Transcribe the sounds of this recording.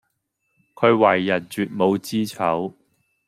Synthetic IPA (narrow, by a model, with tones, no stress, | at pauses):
kʰɵ˨˧ɥwɐ˨˩jːɐ˨˩n̚t͡ʃyː˨t̚mo˨˧wt͡siː˥t͡sʰɐ˨˥w